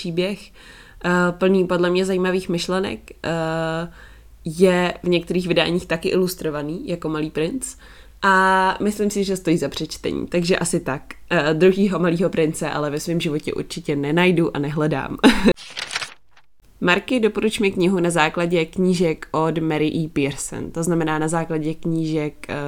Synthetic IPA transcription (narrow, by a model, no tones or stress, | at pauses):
iːbjɛx | pl̩niːpo̞dlɛmɲɛzajimaviːxmɪʃlɛnɛ̰k | jɛvɲɛk̚t̪ɛɾiːɣvɪda̰ːɲiːxt̪akɪʔɪlust̪ɾo̞vaniːjako̞maliːpɾɪnt͡s | ʔamɪslimsɪʒɛst̪o̞jiːzapr̥ɛt͡ʃt̪ɛ̰ɲḭːt̪aɡʒɛʔasɪt̪akd̪ɾuɦiːɦo̞maliːɦo̞pɾɪnt͡sɛʔa̰lɛvɛsviːmʒɪvo̞cɛ̰ʔṵɾt͡ʃɪcɛnɛnajduʔa̰nɛɦlɛda̰ːm | maɾkɪdo̞po̞ɾut͡ʃmɛkɲɪɦunazaːklaɟɛkɲiːʒɛkʔo̞dmɛɾɪʔiːpɪɾsɛ̰nt̪oznamɛnaːnazaːklaɟɛkɲiːʒɛk